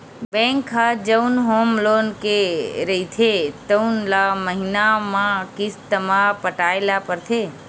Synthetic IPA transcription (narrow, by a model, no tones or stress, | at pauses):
bɛ̃ŋkʰːad͡ʒəunɦomloːnkeɾəit̪ʰet̪əunlaməɦinamãkɪst̪əmãpəʈaːelapəɾt̪ʰe